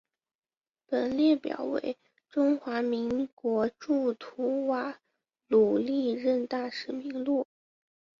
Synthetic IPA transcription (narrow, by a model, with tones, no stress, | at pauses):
pə˨˩nljɛ˥˩pjɑ̰˨˩ʊwḛ˧˥˦ɪ | ʈ͡ʂʊ˥ŋxwa˧˥mi˧˥ŋkwɔ˧˥ʈ͡ʂu˥˩t̪ʰu˧˥wa˨˩ | lu˨˩li˥˧ɻə˥˧nt̪a˥˩ʂɻ̩˨˩mi˧˥ŋlu˥˩